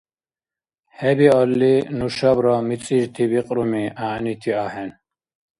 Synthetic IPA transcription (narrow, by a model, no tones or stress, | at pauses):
hɛbiɔlːinuʃɔbɾɔmit͡sʼiʒt̪ʰibiqʼɾumiʔaːnit̪ʰiahɛn